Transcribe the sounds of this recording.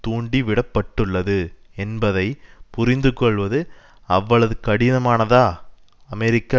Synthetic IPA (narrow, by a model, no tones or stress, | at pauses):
t̪uːɳɖiʋɪɽɐpːɐʈːɯɭːɐðɯɛnbɐðɐɪpʊɾɪnd̪ɯkːɔɭʋɐðɯ | ɐʋːɐɭɐðɯkɐɽɪnɐmaːnɐðaː | ɐmɛɾɪkːa